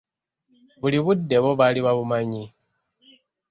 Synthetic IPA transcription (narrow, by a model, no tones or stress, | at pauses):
βuliβudːe̞βo̞βaliβaβumaɲi